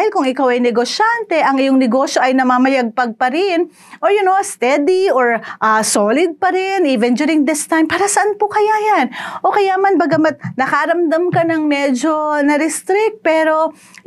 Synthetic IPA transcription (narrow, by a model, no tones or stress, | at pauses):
ahɪlkʊŋɪkawɐjnɛɡoʃant̪ɛʔɐŋɪjoŋnɛɡo̞ʃjo̞ʔɐjnɐmaːmɐjaɡ̚pɐɡ̚pɐɾɪn | ʔoɹjʊnost̪ɛd̪ioɹʔasolɪd̪̚pɐɾɪniːvɛnd͡ʒ̪uːɾɪŋd̪ɪst̪ajmpaːɾɐsɐʔanpokɐjajanʔo̞kɐjaʔmɐnbɐɡɐmɐt̪̚nɐkɐɾɐmd̪amkɐnɐŋmɛd͡ʒo̞nɐɾɪst̪ɾɪk̚t̪̚pɛːɾo̞